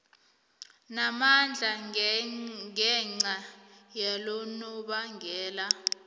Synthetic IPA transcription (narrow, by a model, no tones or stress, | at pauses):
namand͡ɮʱa | ɛŋ͡ǀajalonuɓaŋɡʱɛːla